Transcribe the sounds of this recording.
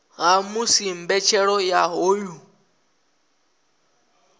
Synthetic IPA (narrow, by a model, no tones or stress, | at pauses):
ɦamusimbɛt͡ʃʰɛɺɔjaɦoːju